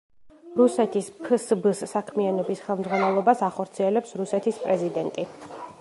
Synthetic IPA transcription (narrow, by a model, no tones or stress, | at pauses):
ɾusɛt̪ʰispʰsbsːakʰmianɔbisχɛlˠmd̪zʁwanɛlˠɔbasaχɔɾt̪sʰiɛlɛpsɾusɛt̪ʰispʼɾɛzid̪ɛnt̪ʼi